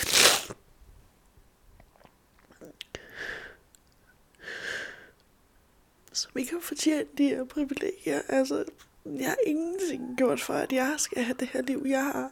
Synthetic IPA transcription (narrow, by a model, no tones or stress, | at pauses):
sɒmʋie̝ɡ̥hɑfɒt͡sʰjḛːnəd̥ieɐ̰pʰʁiʋile̝̰ːɡ̥jɐʔælsə | jɑ̈hɑ̈ʔe̝ŋn̩t͡sʰe̝ŋ̰ɡ̥jo̝ɐ̰d̥fɒæd̥jɑ̈ɪsɡ̥æɦæd̥e̝hæɐ̰liʊ̰jɑ̈ɪɦɑ̈